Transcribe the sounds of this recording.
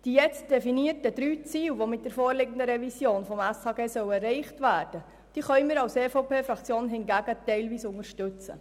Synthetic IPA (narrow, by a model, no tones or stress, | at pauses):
d̥iːjɛt͡st̚d̥ɛfiniərtəd̥ɾyːt͡siːwʋomɪt̚d̥ɛɾfoːɾlɪɡəndəɾɛvisjoːnfɔmæshɑːɡeːsœwɛrɛɪχtvæːrd̥ə | d̥iːχœɪmɪːɾɑwseːfoʊpʰeːfɾɑkt͡sjoːnɦɪnɡæɡətɛɪlviːsʊŋəɾʃtʉt͡sə̰